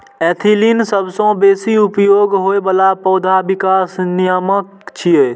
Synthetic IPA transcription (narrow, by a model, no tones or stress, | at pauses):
ɛːt̪ʰiːlinsəbsõbeːsiʊpjoːɡɦoːebəlapɔːd̪ʱabɪkaːsnɪjəmək | t͡ʃʰijeː